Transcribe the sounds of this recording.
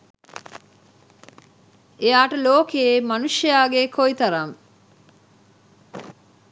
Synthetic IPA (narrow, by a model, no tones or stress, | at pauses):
ejaːʈəloːkeemɐnuʃɐjaːɡekʰoit̪ɐɾɐŋ